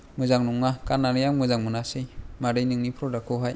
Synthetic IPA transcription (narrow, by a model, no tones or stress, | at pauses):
mɯzaŋnuŋːakanːaɾɯjaŋmɯzaŋmɯnasɯjmaɾɯjnɯŋnipʰɾɔdakʰɔɦaj